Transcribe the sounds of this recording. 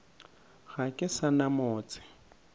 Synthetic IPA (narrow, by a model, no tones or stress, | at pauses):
ɣakʼɪsanamoːt͡sʼɪ̥